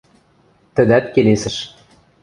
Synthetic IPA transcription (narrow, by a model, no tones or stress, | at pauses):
t̪ə̆d̪æt̪kelesɘ̆ʃ